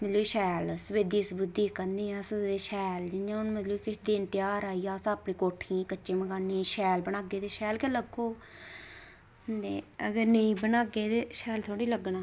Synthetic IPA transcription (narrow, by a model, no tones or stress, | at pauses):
mət̪ləiːʃɛːlsəʋeːd̪iːsbʊd̪ːiːkəɾnd̪iːãːsəd̪eːʃɛːld͡ʒɪnjãːʊnmət̪ləiːkɪʃd̪ɪnt̪ɪjaːɾaːijaːsãːəpɽĩːkoːʈʰĩːkət͡ʃːt͡ʃːeːməɡaːnːĩːʃɛːlbənaːɡeːt̪eːʃɛːlkɛːləɡoː | d̪eːəɡəɾneĩːbənaːɡeːt̪eːʃɛːlt̪ʰoːɽiːləɡɳãː